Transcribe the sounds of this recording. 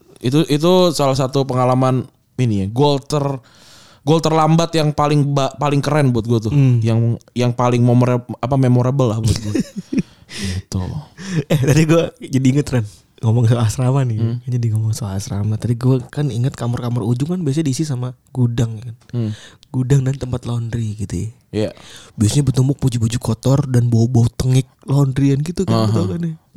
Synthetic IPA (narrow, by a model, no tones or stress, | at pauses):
it̪uʔit̪̬usalahs̬at̪upəŋalaman | iniaɡolt̪ər | ɡolt̪ərlambat̪jaŋpalɪŋbapalɪŋkəɾɛnbuat̪̚ɡuat̪ʊjaŋjaŋpalɪŋmemoɾaapamemoɾabəlːahbuət̪̚ɡua | ɡit̪ʊ̰lɛht̪adiɡuɛd͡ʒadiːŋət̪ran | ŋomɔŋs̬oasɾamanɪkaɲadiŋomɔŋsoaasɾamat̪apiɡuɛkaniŋət̪̚kamarkamarud͡ʒʊŋkanbias̬ɲadisisamaɡudaŋkan | ɡ̥udaŋdant̪əmpat̪londɾiɡit̪ṵ | jabiasaɲabət̪umbʊk̚pud͡ʒupud͡ʒukɔt̪ɔrdanbobɔt̪əŋɪk̚londɾianɡit̪ukat̪akanɛ